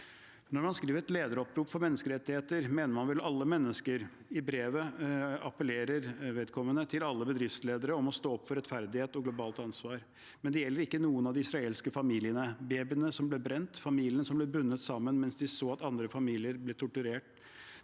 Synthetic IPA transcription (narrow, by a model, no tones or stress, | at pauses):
nɔɾmɑnskɾiːʋəɾɛt̪leːd̪əɾɔpɾuːpfɔɾmɛnːəskəɾɛt̪ːɪheːt̪əɾmeːnəɾmɑnʋɛlɑlːəmɛnːəskəɾ | ɪbɾeːʋəɑpəleːɾəɾʋeːd̪̚kʰɔmːənət̪ʰɪlɑlːəbəd̪ɾɪft̪sleːd̪əɾəɔmɔst̪oːɔpːfɔɾɛt̪fæɾd̪ɪheːt̪ɔɡlʊbɑːlt̪ɑnsʋɑːɾ | mɛnd̪ɛjɛlːəɾɪkːənuːənɑʋd̪ɪɪsɾɑeːlskəfɑmiːlɪənəbeːbɪnəsɔmblɛbɾɛnt̪fɑmiːlɪənsɔmblɛbʉnːət̪sɑmːənmɛnsd̪ɪsoːɑt̪ɑnd̪ɾəfɑmiːlɪəɾblɛt̪ʰʊʈʉɾeːʈ